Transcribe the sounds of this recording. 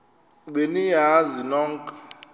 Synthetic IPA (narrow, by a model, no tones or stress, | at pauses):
ɓenijazinɔːŋkʼ